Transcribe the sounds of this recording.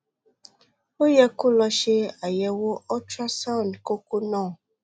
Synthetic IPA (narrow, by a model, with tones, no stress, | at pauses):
o˦jɛ˦ku˦lɔ˧ʃe˦a˨jɛ˨wo˦ɔ˦tɾa˦sã˦˨n˨dko˦ku˦nɔ̃ː˦˨